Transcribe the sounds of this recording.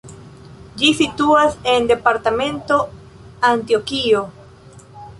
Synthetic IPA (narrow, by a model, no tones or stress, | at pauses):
d͡ʒisituase̞nde̞paɾtamẽ̞nto̞ | antiokio